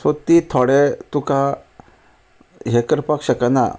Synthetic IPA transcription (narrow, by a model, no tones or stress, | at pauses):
sot̪it̪ʰoɽet̪uka | ɦekəɾpakɕəkana̰